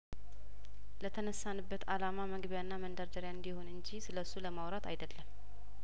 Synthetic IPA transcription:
lət̪ʰənəsːanɨbːət̪ʰalamaməɡβjanːamənd̪aɾd̪əɾjaɨnd̪iho̞nɨɲd͡ʒisɨləsːuləmawɾat̪ʰajd̪əlːəmː

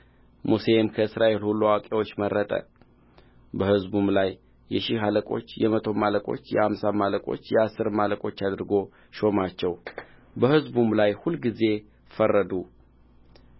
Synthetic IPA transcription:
muse̞mkʰəɨsɾaʔe̞lhulːuawakʼewo̞t͡ʃːməɾːət̪ʼə̰ | bəhɨzbumlajː | ɛʃiɦaləkʼo̞t͡ʃːjɛmət̪ʰo̞maləkʼo̞̰t͡ʃːjɛhamsamaləkʼo̞̰t͡ʃːjɛasːɨɾmaləkʼo̞t͡ʃːad̪ɾɨɡo̞ | ʃo̞mat͡ʃːɛw | bəhɨzbumlajhulɡize̞ | fərːəd̪u

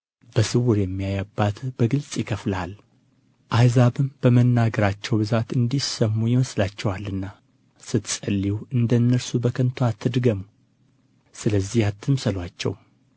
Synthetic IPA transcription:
b̥əsɨwʊɾjɛmːijajabːat̪b̥əɡɨlsʼjɪkʰəflal | ʔajzaβɨmb̥əmənːaɡəɾat͡ʃːɛwbɨzat̪ɨnd̪isəmːujɪməslat͡ʃːɛwalːɨnːa | sɨt̪sʼəlːiwɨnd̪ənːəɾsubəkʰənt̪ʰoat̪ʰːɨd̪ɡəmu | sɨləzːihat̪ʰːɨmsəlwat͡ʃːɛ̰w

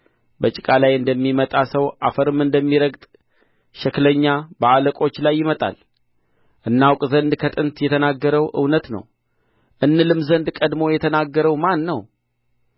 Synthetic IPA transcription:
bət͡ʃʼɪkʼalajɨnd̪əmːimət̪ʼasəwʔafəɾɨmɨnd̪əmːiɾəɡt̪ʼ | ʃɛkləɲːabəaləkʼo̞t͡ʃːlajːɪmət̪ʼa̰l | ʔɨnːawkʼzənd̪kʰət̪ʼɨnt̪jɛt̪ʰənaɡːəɾəwʔɨ̰wnət̪nə̰w | ʔɨnːɨlɨmzənd̪kʼəd̪mo̞jɛt̪ʰənaɡːəɾəwmanːəw

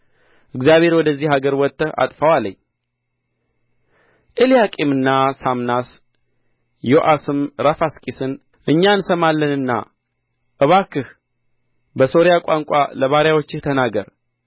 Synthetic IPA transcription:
ʔɨɡzijaβe̞ɾwɔd̪əzːihaɡəɾwɔt̪ʰʼːəa̰t̪ʼfəwaləɲː | ʔɨljakʼimɨnːasamnas | joʔasɨmɾafaskʼisɨn | ʔɨɲːansəmalːənɨnːa̰ | ʔɨβakɨh | bəso̞ɾijakʷʼaŋkʷʼa̰ləβaɾjawot͡ʃːɪht̪ʰənaɡəɾ

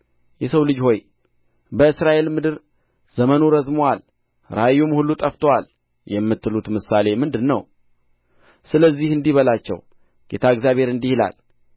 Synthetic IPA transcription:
jɛsəwlɨd͡ʒho̞j | bəɨsɾaʔe̞lmɨd̪ɨɾ | z̥əmənuɾəzmowal | ɾajːumhulːut̪ʼəft̪ʰəwal | jɛmːɨt̪ʰːɨlut̪mɨsale̞mɨnd̪ɨnːə̰w | sɨləzːihɨnd̪iβəlat͡ʃːɛ̰w | ɡ̥e̞̰t̪ʰaɨɡzjaβhe̞ɾɨnd̪ihila̰l

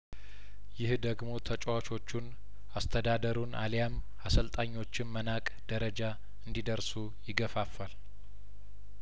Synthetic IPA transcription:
jɪhd̪əɡmo̞t̪ʰət͡ʃʼwat͡ʃo̞t͡ʃːun | ast̪ʰəd̪ad̪əɾuna̰ljam | asəlt̪ʼaɲːo̞t͡ʃːɪnmənakʼd̪̥əɾəd͡ʒa | ɨnd̪id̪əɾsu | jɪɡəfafːal

